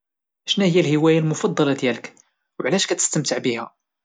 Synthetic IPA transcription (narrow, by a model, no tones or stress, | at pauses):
æʃnæhəjːælhiwæjælmʊfɑd̪ˤːɑlɑd̪jælək | wʕlæʃkæt̪ə̥st̪əmt̪əʕbihæ